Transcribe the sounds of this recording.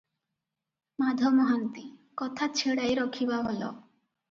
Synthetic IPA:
mad̪ʱɔmɔɦant̪ikɔt̪ʰat͡ʃʰeɽajɾɔkʰibɔɦolɔ̰

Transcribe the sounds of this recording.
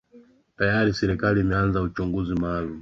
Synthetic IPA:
tajaɾisɛɾikaliːmɛanzaut͡ʃuŋɡuzimaːlu

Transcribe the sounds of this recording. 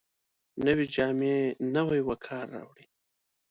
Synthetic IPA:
nəwed͡ʒɑːmenəwajwakʰɑːɾːɑ̰wɽi

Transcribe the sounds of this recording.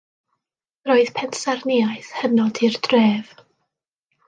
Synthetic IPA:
roːɨð̥pʰɛnsarniaɨθhənɔdirdreːv̥

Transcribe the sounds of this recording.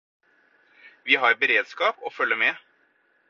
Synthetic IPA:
ʋiːɦɑɾbəɾeːd̪skɑːpɔfœlːəmɛː

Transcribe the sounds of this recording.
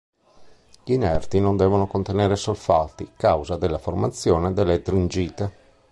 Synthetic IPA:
ʎinɛrt̪inond̪ɛːvonokont̪enɛːɾesolfat̪ikawzad̪elːaformat̪sːjɔːned̪ɛlːet̪ɾind͡ʒiːt̪e

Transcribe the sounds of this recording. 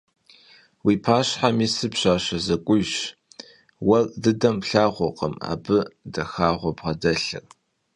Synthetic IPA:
wiːpʰaːɕħamiːsɨpɕaːɕɐzɐkʷʼʊjɕ | wɐrʼdɨdɐmpɬaːʁʷɔqə̰ma̰ːbɨdɐxaːʁʷɔbʁɐdɐɬɨ̰r

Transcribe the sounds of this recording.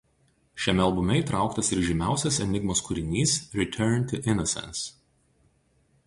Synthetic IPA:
ʃʲɛmʲɛɐlˠbʊmʲɛɪt̪ɾɑˑʊkt̪ɐsɪɾʒʲɪmʲæˑʊsʲɛsɛnʲɪɡmoːskʊɾʲɪnʲiːsɾʲɪt̪ʲʰɜɾnt̪ʲʊʔɪnɔsʲɛ̰̃ns

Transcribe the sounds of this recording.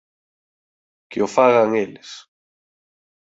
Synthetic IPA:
kɪofaɣaŋelɪs

